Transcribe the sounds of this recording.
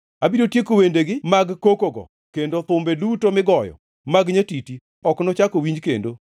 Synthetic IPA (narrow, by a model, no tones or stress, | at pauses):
abidotjekowendeɡɪmaɡkokoɡɔ̰ | kendot̪ʊmbedutomɪɡɔjɔ̰ | maɡɲetiti | ɔknɔt͡ʃakowiɲd͡ʒkḛndo